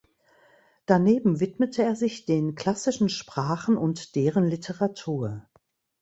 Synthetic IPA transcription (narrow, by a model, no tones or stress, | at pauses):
d̥aneːbm̩vɪtmətʰəeːɐzɪçd̥eːnkl̥asɪʃn̩ʃpʁ̥aːχn̩ʊntd̥eːʁənlɪtʰəʁatʰuːɐ